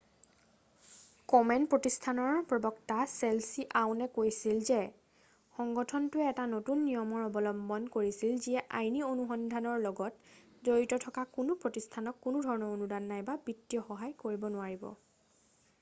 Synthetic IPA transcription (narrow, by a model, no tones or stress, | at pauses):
kɔmɛnpɹotistʰanɔɹpɹɔbɔktaselsiʔawnɛkojsilzɛ | xɔŋɡɔtʰɔntʊɛɛtanotunːijɔmɔɹɔbɔlɔmbɔnkoɹisilziɛʔajnionuxɔndʱanɔɹlɔɡɔt | zoɹitɔtʰɔkakunʊpɹotistʰanɔkːunudʱɔɹɔnɔɹonudanːajbabitːijɔxɔɦajkoɹibɔnʊaɹibɔ̰